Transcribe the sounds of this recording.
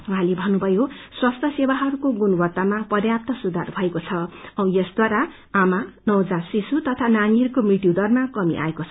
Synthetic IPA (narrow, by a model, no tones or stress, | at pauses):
wuɦãlebʱʌnːubʱʌjoswast̪ʰʌsewaɦʌɾukoɡunwʌt̪ːamapʌrjap̚t̪ʌsud̪arbʱʌekot͡sʰʌʌw̃jesd̪waɾa | amanʌwd͡zasisut̪ʌt̪ʰananirkomiʈjud̪ʌrmakʌmḭʔa̰ekot͡sʰʌ